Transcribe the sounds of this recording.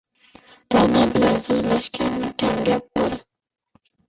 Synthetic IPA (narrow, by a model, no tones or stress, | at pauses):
d̪̥ɒnabɪlansʊzlaʃkʲʰanːɪkʲʰamɡʲap̚bol